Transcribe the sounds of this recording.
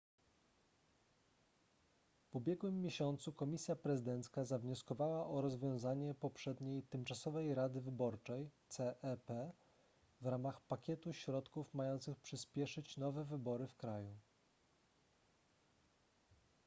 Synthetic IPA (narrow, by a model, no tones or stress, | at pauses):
vubʲjɛɡwɘmːjeɕɔnt̪sukɔmʲisʲjapɾɛzɘd̪ɛnt̪skazavɲɔskɔvawaʔɔɾɔzvʲjɔ̃w̃zaɲɛpɔpʂɛd̪ɲejt̪ɘmt͡ʂasɔvɛjɾad̪ɘvɘbɔɾt͡ʂɛjt̪sɛʔɛpɛ | vɾamaxpakʲɛt̪uɕɾɔt̪kufmajɔnt̪sɘxpʂɘspʲjɛʂɘt͡ɕnɔvɛvɘbɔɾɘfkɾaju